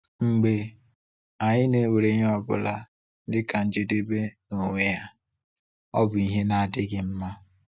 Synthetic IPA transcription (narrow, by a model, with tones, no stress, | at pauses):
ŋ͡m̩˨ɡ͡be˨ | a˨ɲɪ˦ne˨we˨ɾe˦ɲe˦ɔ˦bʊ̰˦la̰˦ | dɪ˦ka˨n̩˦d͡ʒe˦de˦be˦no˨ŋʷe˦ja˦ | ɔ̰˦bʊ˨i˦ɦe˦na˨a˨dɪ˦ɡɪ˨m̩˦ma˦